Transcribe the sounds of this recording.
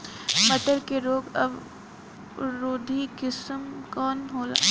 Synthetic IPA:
mət̪əɾkeɾoːɡɐʋ | ɾoːd̪ʱikɪsəmkɔːnɦoːla̰

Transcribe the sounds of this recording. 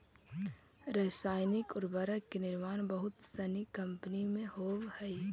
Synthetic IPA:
ɾəːsaːɪnɪkɔɾbəɾəkːenɪɾmaːnbəɦʊt̪sɐnikɐ̃mpənimẽhoːbhɛi

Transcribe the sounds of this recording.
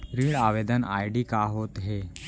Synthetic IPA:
ɾiːɭaʋed̪əna̰jɖiːkaɦot̪ɦe

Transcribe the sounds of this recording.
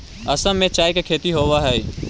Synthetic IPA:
ɐsəmːẽt͡ʃaːjkekʰeːt̪iɦoːʋaɦɛi

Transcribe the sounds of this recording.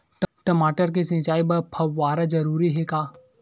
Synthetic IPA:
ʈʈɐmaːʈəɾk̬esɐ̃t͡ʃaːibɐɾpʰɐwːaːɾad͡ʒɐɾuːɾiɦɛkaː

